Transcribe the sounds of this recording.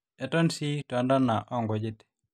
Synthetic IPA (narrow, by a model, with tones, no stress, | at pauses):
ɛ˨tɔ˦nsi˦tɔ˨ndɔ˦na˨ʔɔ˦ŋɡɔ˨d͡ʒɪ˦te̥˨